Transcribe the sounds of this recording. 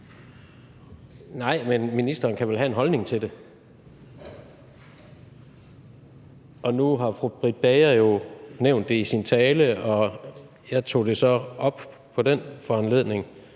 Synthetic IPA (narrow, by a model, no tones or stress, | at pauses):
nɑ̈ɪ̰menminisd̥ɐːnkʰæʋelɦæe̝nɦɒ̽lne̝ŋt͡sʰe̝d̥e̝ | ʔɒ̽nuɦɑ̈fʁub̥ʁid̥̚b̥eɪɐjo̝neʊ̰nd̥ːe̝isint͡sʰɛːləɒ̽ | jɑ̈ɪt͡sʰo̝̰ːd̥e̝sɒ̽ɒ̽b̥ | pʰɒ̽d̥enfɒænle̝ð̰ˠne̝ŋ